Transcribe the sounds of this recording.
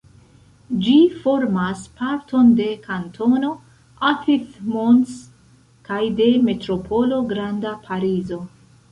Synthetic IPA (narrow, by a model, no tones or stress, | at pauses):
d͡ʒifo̞ɾmaspaɾtʰo̞nde̞kantʰo̞no̞ | afiθmons | kajde̞me̞tɾo̞pʰo̞lo̞ɡɾandapʰaɾizo̞